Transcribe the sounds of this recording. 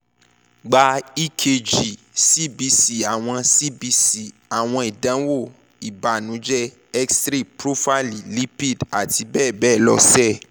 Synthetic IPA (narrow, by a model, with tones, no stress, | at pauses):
ɡ͡ba˨˦i˦kʰe˧d͡ʒi˨ | si˦bi˧si˨a˨w̃ɔ̃˧si˦bi˧si˦˨ | a˨w̃ɔ̃˧i˨dã˨˦wo˦˨ | i˨ba˨nũ˨˦d͡ʒɛ˦ | ɛ˦kstɾi˦˨pɾo˦fa˦li˦li˦pi˦˨da˨tʰi˧bɛː˦˨bɛː˦˨lɔ̰˧sɛ˦˨